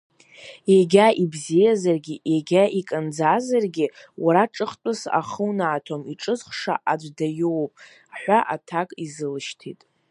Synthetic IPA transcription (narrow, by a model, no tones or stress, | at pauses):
jaɡʲaʔibzijazarɡʲijaɡʲaʔikʼɨnd͡zazarɡʲɪwʔaɾaʈ͡ʂʼɨχtʷʼʊsa̰χəwnaːtʰomiʈ͡ʂʼɨzχʂa̰ʔad͡ʒʷdajowpʼ | ħʷaʔatʰakʼizɨlɨʃtʰḭtʼ